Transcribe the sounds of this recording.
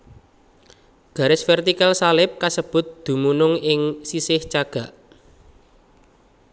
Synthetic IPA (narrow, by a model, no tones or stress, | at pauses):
ɡ̥ä̤ɾɪsfɛrt̪ikalsalɪp̚kasəb̥ʊ̤t̪̚d̪̥ṳmunʊŋɪŋsisɪht͡ʃaɡ̥a̤ʔ